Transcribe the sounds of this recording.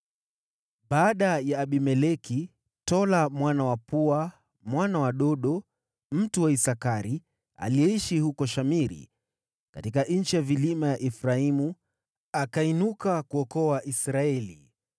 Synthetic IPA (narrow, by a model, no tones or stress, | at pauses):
ɓaːɗajaːɓimɛlɛki | tɔlamwanawapua | mwanawaɗɔɗɔ | m̩tuwaisakaɾi | a̰liɛiʃihukɔʃamiɾḭ | katik̬aʔn̩t͡ʃijavilimajaʔɛfɾaimu | akainukakuɔkɔaʔisɾaɛli